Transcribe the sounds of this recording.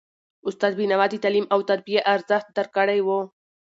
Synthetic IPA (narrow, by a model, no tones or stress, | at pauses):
ʊst̪ɑd̪̚binawɑd̪it̪aːlimawt̪aɾ̚bijaʔaɾzəxt̪̚d̪aɾkəɽajwo